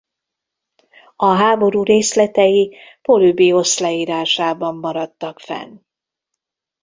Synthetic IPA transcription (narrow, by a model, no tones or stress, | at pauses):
ɒɦaːbo̞ɾuːɾeːslɛt̪ɛjipo̞lybio̞slɛiːɾaːʃaːbɒmːɒɾɒt̪ːɒkfɛ̰n